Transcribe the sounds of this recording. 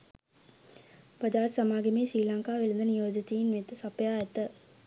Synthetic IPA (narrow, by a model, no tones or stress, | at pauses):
bəd͡ʒaːt̪samaːɡemeːʃɾiːlaŋkaːʋelind̪ənijoːd͡ʒət̪ijinʋet̪ːəsapjaːɛt̪ə